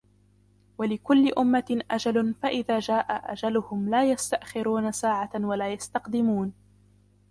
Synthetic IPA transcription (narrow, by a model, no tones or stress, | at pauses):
walɪkʊlːɪʔʊmːaʔad͡ʒalʊfaʔɪðaːd͡ʒaːʔaʔa̰d͡ʒalʊhʊmlaːjast̪aʔxɪɾuːnasaːʕawalaːjast̪ɑqd̪ɪmuːn